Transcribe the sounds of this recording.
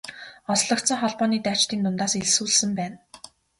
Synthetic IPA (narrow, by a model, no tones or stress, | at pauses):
ɔsɮɞ̆k̚t̪sə̆ŋχɔɮpɔːniːt̪aːt͡ɕt̪iːnt̪ʊnt̪aːseɮsuːɮsɘ̆mpæːn